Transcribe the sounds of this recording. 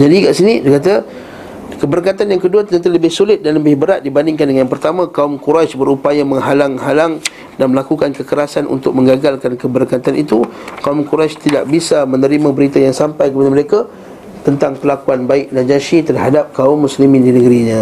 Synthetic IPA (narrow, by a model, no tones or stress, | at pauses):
d͡ʒadikaʔsinidikat̪̬a | kəbəɾkat̪anjaŋkəduat̪əənt̪ələbɪhsulɪt̪̚danləbɪhbəɾat̪̚dibandɪŋkandəŋajanpərt̪amãkaʊmkuɾaʃbəɾupajamə̃ŋɦalaŋɦalaŋ | danməlakukankəkəɾasanṵnt̪ʊk̚mə̃ŋɡaɡalkankəbəɾkat̪anʔit̪ukaumkuɾast̪idaʔ̚bisamə̃nəɾimãbəɾit̪ajaŋsampajkəpadaməɾeka | t̪ənt̪aŋpəlakuanbaɪk̚nad͡ʒaʃit̪ərɦadap̚kaʊmːuslimɪ̃ndinəɡəɾiɲã